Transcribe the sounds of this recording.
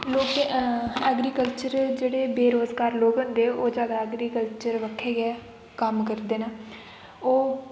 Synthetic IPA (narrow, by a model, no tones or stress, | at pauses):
loːk | ɛːɡɾiːkəlt͡ʃəɾd͡ʒeːɽeːbeːɾoːzɡaːɾloːkɦʊ̃nd̪eːoːd͡ʒaːd̪aɛːɡɾiːkəlt͡ʃəɾʋəkʰːeːɡɛː | kəmkəɾd̪eːnaː | oː